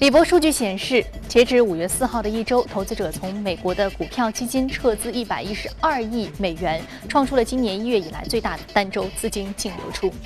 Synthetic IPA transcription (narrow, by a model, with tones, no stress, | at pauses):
li˨˩p̬wɔ˧˥ʂu˥˧t͡ɕy˥˩ɕjɛ˨˩nʂɻ̩˥˩t͡ɕjɛ˧˥ʈ͡ʂɻ̩˧˥u˨˩ɥɛ˥˧sɹ̩˥˧xɑ˥˩ʊd̪ə˩i˥˩ʈ͡ʂo˥ʊt̪ʰo˧˥ʊt͡sɹ̩˧˥ʈ͡ʂɤ˨˩t͡sʰʊ˧˥ŋme˨˩ɪkwɔ˧˥d̪ə˧ku˨˩pʰjɑ˥˧ʊt͡ɕi˥t͡ɕi˥nʈ͡ʂʰɤ˥˧t͡sɹ̩˥i˥˩pa˨˩ɪi˥ʂɻ̩˧˥a˥˧i˥˩me˨˩ɪɥɛ˧˥n | ʈ͡ʂʰwɑ˥˧ŋʈ͡ʂʰu˥lə˨t͡ɕi˥njɛ˧˥ni˥ɥɛ˥˩i˨˩la̰˧˥ɪt͡swe˥˧ɪa˥˩d̪ə˩t̪a˥nʈ͡ʂo˥ʊt͡sɹ̩˥t͡ɕi˥nt͡ɕi˥˩ŋljo̰˧˥ʊʈ͡ʂʰu˥